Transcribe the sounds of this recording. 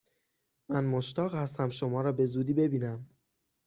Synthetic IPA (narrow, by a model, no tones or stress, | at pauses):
mænmoʃt̪ɒːɣhæst̪æmʃomɒːɾɒːbe̞zuːd̪iːbe̞biːnæm